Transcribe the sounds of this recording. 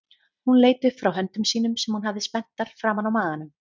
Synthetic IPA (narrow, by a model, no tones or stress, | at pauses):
hunleːjt̪ʏfɾawɦœnt̪ʏmsiːnʏmsɛmhunhavðɪspɛn̥t̪aɾ̥fɾaːmanawmaːɣanʏm